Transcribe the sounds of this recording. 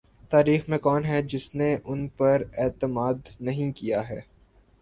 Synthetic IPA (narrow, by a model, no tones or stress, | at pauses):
t̪aːɾiːxmẽkɔːnɦɛd͡ʒɪsneʔʊnpɐɾɛːt̪əmaːd̪nɐɦĩkijaɦɛː